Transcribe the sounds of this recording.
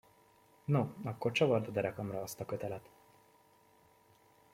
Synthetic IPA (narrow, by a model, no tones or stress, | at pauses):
noɒkːo̞rt͡ʃɒvɒrd̪od̪ɛɾɛkɒmrɒɒst̪ɒkø̞t̪ɛlɛt̪